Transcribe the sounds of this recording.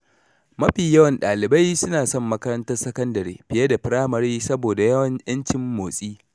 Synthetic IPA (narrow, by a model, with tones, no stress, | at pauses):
mɐ˦ɸiː˨jɐ˦wɐ˨nɗaː˨lɪ˨ba˦jsʊ˦naː˨sɔ˦mːɐ˦kɐ˦ɾɐ˦ntɐ˦rsɐ˦kɐ˦ndɐ˨ɾḛː˨ɸɪ˨jɐ˦da˨ɸɪ˦ɾaː˦mɐ˨ɾiː˦sɐ˦boː˨da˨jɐ˦wɐ˨ɲjɐ˦nt͡ʃɪ˦mːoː˨sʼiː˦